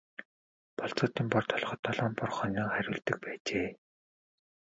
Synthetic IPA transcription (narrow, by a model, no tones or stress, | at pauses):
pɔɬt͡sɔːt̪iːmpɔrt̪ʰɔɮχɞ̆t̪ʰːɔɮɔːmpɔrχœnʲiːŋχæɾʲʊːɮt̪ɘ̆k̚pæːt͡ɕeː